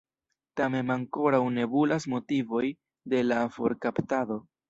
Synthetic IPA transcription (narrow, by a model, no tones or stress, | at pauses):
tame̞naŋko̞ɾawne̞bulasmo̞tivo̞j | de̞lafo̞̰ɾkaptado̞